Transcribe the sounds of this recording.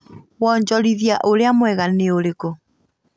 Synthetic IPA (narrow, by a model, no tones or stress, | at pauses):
wɔɲd͡ʒɔɾiðjaʔoɾeamwɛɣaneoɾekɔ